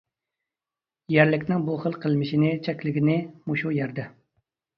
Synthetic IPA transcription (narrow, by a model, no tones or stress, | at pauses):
jæɾlɪkʲnɪŋbuχəlˠqʰəlˠmɪʃinɪt͡ʃʰɛkʲlɪɡʲinɪmuʃujɛɾd̪ɛ